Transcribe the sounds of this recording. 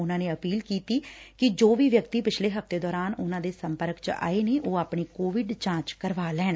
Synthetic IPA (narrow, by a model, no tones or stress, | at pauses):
ʊnãːneːəpiːlkiːt̪iːkɪd͡ʒoːʋiːʋjəkt̪iːpɪt͡ʃʰleːɦəfʰt̪eːd̪ɔːɾaːnʊnãːd̪eːsəmpəɾkt͡ʃa̰ːeːneːʔoːaːpɳeːkoːʋɪɖt͡ʃãːt͡ʃkəɾʋaːlɛːɳ